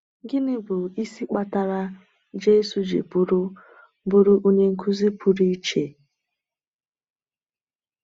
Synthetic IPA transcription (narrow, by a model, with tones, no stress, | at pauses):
ɡɪ˦nɪ˦bʊ˨i˦si˦k͡pa˦ta˦ɾa˦ | d͡ʒe˦su˨d͡ʒḛ˨pʊ˦ɾʊ˦ | bʊ˦ɾʊ˦ʔu˦ɲe˦ŋ̩˦kʰu˦zi˦pu˦ɾi˦t͡ʃe˨